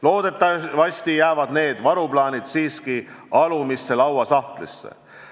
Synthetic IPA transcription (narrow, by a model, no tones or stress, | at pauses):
lo̞ːd̪̥e̞t̪ːˑɑvɑsʲt̪ijæːvɑd̪ne̞ːd̪̥vɑɾublɑːnʲid̪̥siːski | ɑlumisːe̞lɑwɑsɑht̪lḭsːḛ